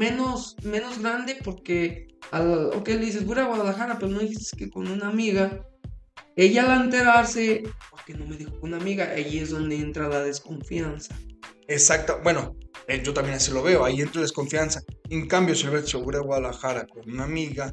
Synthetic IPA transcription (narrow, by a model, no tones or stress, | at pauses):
me̞no̞sme̞no̞zɣɾand̪e̞po̞ɾkealo̰keleðis̬ezbuɾawaðalaxaɾapeɾonoðixist̪e̥skeko̞̰nunamiɣa | e̞ʝalaent̪e̞ɾaɾse̞pokeno̞me̞ðixokunamiɣaaʝie̞zðo̞nd̪e̞ent̪ɾalaðe̞sko̞ɱfjansḁesak̚t̪abwe̞noeʝo̞t̪ambjenasilo̞βe̞oaient̪ɾalaðesko̞ɱfjansaeŋkambjo̞silβesjoβuɾewaðalaxaɾako̞nunamiɣa